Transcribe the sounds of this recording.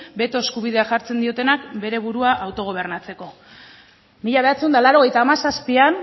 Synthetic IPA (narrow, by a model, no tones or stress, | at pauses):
be̞t̪o̞eskuβ̞ið̞e̞axaɾt͡se̞nd̪io̞t̪e̞nakbe̞ɾe̞βuɾuaʔawt̪o̞ɣ̞o̞β̞e̞rnat͡se̞ko̞ | miʎaβe̞at͡seund̪alaɾo̞ɣe̞jt̪aːmasaspian